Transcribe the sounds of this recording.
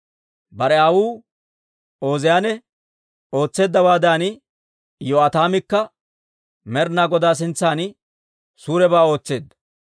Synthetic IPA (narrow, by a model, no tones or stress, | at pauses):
bɐɾɛaːwuː | o̞ːzɛjaːnɛ | o̞ːt͡sːe̞ːd̪ːɐwaːd̪aːn | jɔɐt̪aːmɪkːɐ | mɛɾnaːɡɔd̪aːs̬ɪnt͡sːaːn | suːɾɛbaːo̞ːt͡sːe̞ːd̪ːɐ̥